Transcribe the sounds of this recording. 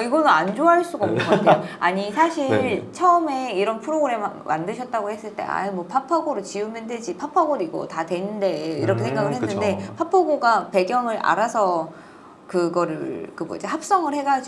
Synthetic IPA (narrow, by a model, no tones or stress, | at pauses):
ʌiɡʌnɯnand͡ʑoɦaɭs͈uɡaʌmnɯɡʌtʰeoa̰ɲisʰaɕʰiɭt͡ɕʰʌme̞iɾʌnpʰɯɾoɡɯɾe̞mma̰ndɯɕʰʌt̚t͈aɡohe̞s͈ɯɭt͈e̞̰a̰imwʌpʰapʰaɡoɾot͡ɕiumjʌndwed͡ʑipʰapʰaɡoɾiɡo̰tatwe̞nɯnde̞iɾʌkʰesʰeŋɡaɡɯɭhe̞nnːɯnde̞pʰapʰoɡoɡape̞ɡjʌŋɯɾa̰ɾasʰʌ | kɯɡʌɾɯ̰ɭkɯbʌd͡ʑehap̚s͈ʌŋɯɭhe̞ɡad͡ʑi